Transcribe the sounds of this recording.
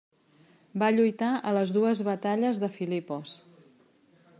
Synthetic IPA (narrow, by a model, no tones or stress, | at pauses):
baʎujt̪aʔələzðuəzβət̪aʎəzðəfilipos